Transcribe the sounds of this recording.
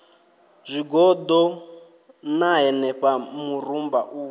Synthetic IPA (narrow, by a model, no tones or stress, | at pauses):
zʷiɡɔd̪ɔ | naɦɛnɛɸamurumbaʔu